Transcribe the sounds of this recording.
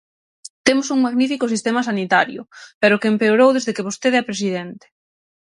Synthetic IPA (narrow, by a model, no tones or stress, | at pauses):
t̪emʊsuŋmaɣnifikʊsist̪emas̬anit̪aɾjʊ̰peɾʊkeempeoɾowðezðekeβost̪eðɛpɾesiðent̪e̥